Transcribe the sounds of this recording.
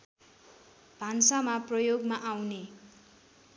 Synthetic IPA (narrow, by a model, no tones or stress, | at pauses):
b̥ʱansamaprʌjoɡmaʔawne